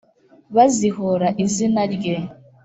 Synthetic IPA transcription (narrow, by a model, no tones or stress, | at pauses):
βaziɦoɾaʔizinaɾɡe